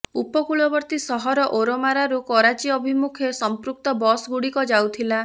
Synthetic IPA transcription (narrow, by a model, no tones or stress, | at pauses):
upɔkuɭɔbɔɾt̪isɔɦɔɾɔʔoɾɔmaɾaɾukɔɾat͡ʃiɔbʱimukʰjesɔmpɾuk̚t̪ɔbɔsɡuɽikɔd͡ʒawt̪ʰila